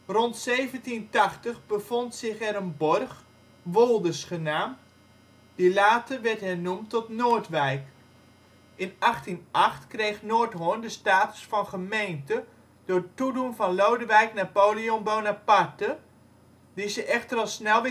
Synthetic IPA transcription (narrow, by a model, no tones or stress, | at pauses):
rɔntsejvəntintɑχtəχbəvɔntsɪχɛɾənbɔrχ | ʋolˠdəsχənaːm | dilaːtəʋɛrtɦɛnumtɔtnoːrtʋɛjk | ɪnaχtinʔɑχtkrejxnoːtɦoəndəstaːtə̥sfɑnχəmejntə | d̥ʊːrətːudunvɑnlowdəʋɛjknapoːlionbownapartə | dizəʔɛxtərɑlˠsnɛlˠʋɪ